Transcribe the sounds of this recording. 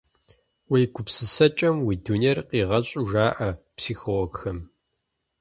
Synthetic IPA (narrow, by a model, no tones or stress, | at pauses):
wejɡʷʰʊpsɨsɐt͡ʃʼɐmwiːdunerqiːʁɐɕʼʊʒaːʔɐpsiːxolɔɡxɐm